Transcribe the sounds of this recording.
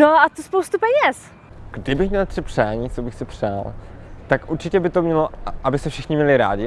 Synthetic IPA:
noat̪uspowst̪upɛɲɛs | ɡ̥dɪbɪxmɲɛlt̪rɪpr̥aːɲiːt͡sobɪxsɪpr̥aːlt̪akʔuɾt͡ʃɪcɛbɪt̪omɲɛloʔabɪsɛfʃɪxɲɪmɲɛlɪɾa̰ːɟɪ

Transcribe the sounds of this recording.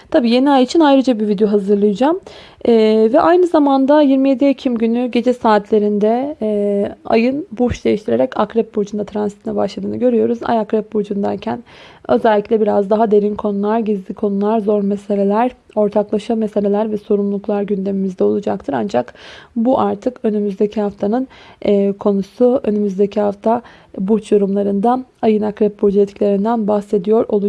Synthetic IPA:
t̪ʰabiːje̞niajit͡ʃʰinajɾad͡ʒabivid̪ejo̞ɦazɯɾlˠɯjɯd͡ʒam | ɛːvɛʔajnɯzamand̪ajiɾmije̞d̪iecʰimɟynyɟe̞d͡ʒɛsaːt̪ʰlʲe̞ɾind̪ɛ | a̰jɯnbuʃd̪e̞jiʃt̪ʰiɾeɾɛcakɾɛp̚buɾd͡ʒund̪at̪ɾansi̥t̪ʰinɛbaʃlˠad̪ɯːnɯɟø̞ɾyjo̞ɾuza̰jakɾɛp̚buɾd͡ʒund̪aɾcʰænø̞̰zælʲːiclʲɛbiɾazd̪aɦad̪e̞ɾinkʰo̞nulˠaɾɟizlʲikʰo̞nulˠaɾzo̞ɾmese̞lʲe̞lʲæɾ | o̞ɾt̪ʰaklˠaʃamese̞lʲelʲæɾvɛso̞ɾumlˠuklˠaɾɟynd̪e̞mimizd̪ɛo̞lˠud͡ʒakt̪ʰɯɾand͡ʒakbuʔaɾt̪ʰɯkø̞nymyzd̪e̞cʰihaft̪ʰanɯnːkʰo̞nusuø̞̰nymyzd̪e̞cʰihaft̪ʰa | but͡ʃjoɾumlˠaɾɯnd̪aajɯnakɾɛp̚bud͡ʒɛt̪cʰilʲe̞ɾind̪ænbahse̞d̪ijo̞ɾo̞lˠu

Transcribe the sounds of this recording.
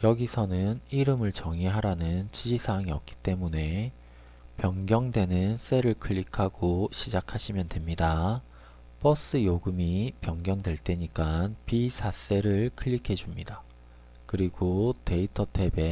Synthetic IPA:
jʌɡisʰʌnɯniɾɯmɯɭt͡ɕʌŋiɦaɾanɯnt͡ɕid͡ʑisʰaŋiʌk͈̚i̥t͈e̞mune̞ | pjʌŋɡjʌŋdwe̞nɯns͈e̞ɾɯɭkʰɯɭːikʰaɡ̥oɕʰid͡ʑakʰaɕʰimjʌndwe̞mɲida | pʌs͈ɯjoɡɯmipjʌŋɡjʌŋdwe̞ɭt͈e̞ɲik͈anpisʰas͈e̞ɾɯɭkʰɯʎːikʰe̞d͡ʑumɲida | kɯɾiɡote̞itʰʌtʰe̞be̞

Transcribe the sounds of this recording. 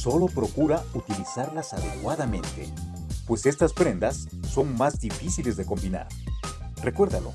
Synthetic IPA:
so̞lo̞pɾo̞kuɾaut̪ilisaɾlasaðe̞kwaðamẽ̞nt̪e̞̰ | pwe̞se̞st̪aspɾe̞nd̪asː | o̞ŋmazd̪ifisile̞zðe̞ko̞mbina̰ɾ | re̞kwe̞ɾðalo̞̰

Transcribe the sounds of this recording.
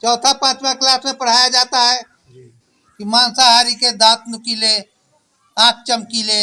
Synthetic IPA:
t͡ʃɔːt̪ʰapãːt͡ʃmãklaːsmẽpɐɽ̤aːjad͡ʒaːt̪aɦɛː | kimãːnsaɦaːɾiked̪ãːt̪nʊkileː | ãːk̚ʰt͡ʃəmkileː

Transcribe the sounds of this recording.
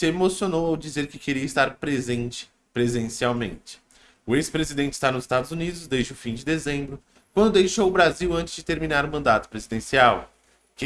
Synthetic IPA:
sɪemosionowowd͡ʒizeɾkɪkeɾiɐɪst̪aɾpɾezẽt͡ʃɪ̥ | pɾezẽsiawmẽnt͡ʃɪ̥ | ʊespɾezid̪ẽnt͡ʃɪist̪aɾnʊzɪst̪ad̪ʊzunid̪ʊzd̪ezd͡ʒɪʊfĩd͡ʒɪd̪ezẽmbɾʊ | kwɐ̃nd̪ʊd̪ejʃowʊbɾaziwɐ̃nt͡ʃɪz̥d͡ʒɪt̪eɾminaɾʊmɐ̃nd̪at̪ʊ̥pɾezid̪ẽsiaw | k

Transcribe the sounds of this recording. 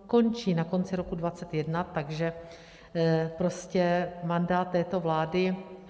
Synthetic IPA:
ko̞nt͡ʃiːnako̞nt͡sɪɾokudvat͡sɛt̪jɛdnat̪aɡʒɛ | pɾo̞scɛmandaːt̪ːɛːt̪o̞vlaːdɪ

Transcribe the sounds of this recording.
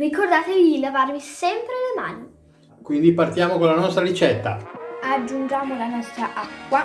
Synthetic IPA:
rikord̪aːt̪edilavarmisɛmpɾelemaːni | kwind̪ipart̪jaːmokonlanɔst̪ɾaɾit͡ʃɛt̪ːa̰ad͡ʒːund͡ʒaːmolanɔst̪ɾaʔakːwa

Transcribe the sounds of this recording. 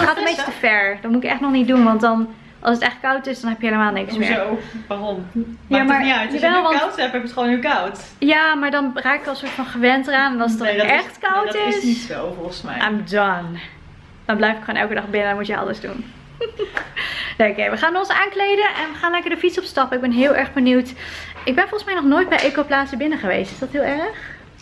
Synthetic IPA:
χaːtəmejtəfɛɹdɔtmutɪkɛχtnɔχnit̚dunʋɑntdɑn | ʔɑlˠsətɛχt̚kɑwtɪsdɑnɦɛpjəɦeləmaːlˠnɪkssmɪ̰ːʋarɔmjamaːɹitəɛlˠʋɑtɛpɛpətχʋownilkɑwt | jaːmaːɹdɑnraːkɪkɔlsʊːɹtfɑnχəʋɛntəraːnɛnɑlˠsətdɛχtkawtɪsiowvɔlˠχəsmɛ̰a̰jmdɔn | d̥ɑnblɛjfɪkχwoːnʔɛ̰lˠkədɑχbɪnədɔnmutjəɑ̰ləzdṵn | neokejʋəχaːnɔnsaːnklejdənʔɛnʋəχaːnlɛkəɹdəfitsɔpstɑpəɪɡ̚bɛnɦɪːlˠʔɛɹχbəniwtɪɡ̚bɛnfɔlˠχəsmɛjnɔχnoːjt̚bɛjʔejkowplaːsəbɪnəχəʋḛjstɪ̥sdɑtɦɪːlˠɛɹəχ

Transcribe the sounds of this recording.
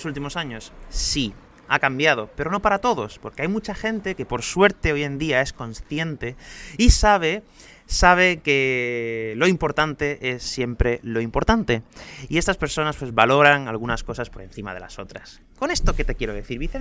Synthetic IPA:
sult̪imo̞saɲo̞ssi | akambjað̞o̞peɾo̞no̞paɾat̪o̞ðo̞spo̞ɾke̞ajmut͡ʃaxẽ̞nt̪e̞ke̞po̞ɾswe̞ɾt̪e̞o̞je̞nd̪iae̞skõ̞nsθje̞nt̪e̞isaβ̞e̞ | saβ̞e̞ke̞ | lo̞impo̞ɾt̪ant̪e̞ʔe̞sːje̞mpɾe̞lo̞impo̞ɾt̪ant̪e̞ie̞st̪aspe̞ɾso̞naspwe̞zβalo̞ɾaŋalɣ̞unasko̞saspo̞ɾẽ̞n̟θima̰ð̞e̞la̰so̞t̪ɾas | ko̞ne̞st̪o̞ke̞t̪e̞kje̞ɾoðe̞θiɾβiθe

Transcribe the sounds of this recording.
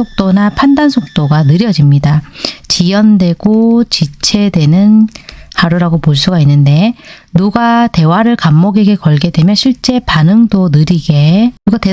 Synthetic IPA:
ok̚t͈onapʰandansʰok̚t͈oɡanɯɾjʌd͡ʑimɲidat͡ɕijʌndwe̞ɡ̥ot͡ɕit͡ɕʰe̞dwe̞nɯnhaɾuɾaɡopoɭs͈uɡainːɯnde̞ | nuɡate̞waɾɯɭkamːʌɡiɡe̞kʌɭɡe̞dwe̞mjʌnɕʰiɭt͡ɕ͈e̞panɯŋdonɯɾiɡe̞nuɡate

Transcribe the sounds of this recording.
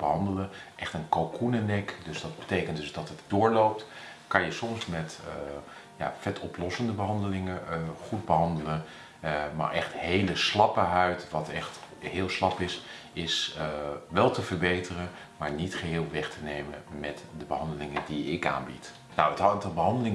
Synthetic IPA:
bəɦɑndələʔɛχtənkowkʰunənɛkdɵzdɑdbətejkəndɵsdɑtətd̥ʊːɹlowp̚tkɑnjəsɔmsmɛt | ja̰ːfɛtʰɔplɔsəndəbəɦɑndəlɪŋəχud̚bəɦɑndələn | ma̰ːɹʔɛχthejləslɑpəɦœɥtʋɑtɛχt | hɪːlˠslɑpɪs | ɪs | ʋɛlˠtəvəɹbejtərən | maːɹnitχəɦɪːlˠʋɛχtʰənejmənmɛtdəbəɦɑndəlɪŋəndiɪka̰ːnbḭt | nowətɑːtəlˠbəɦɑndəlɪŋ

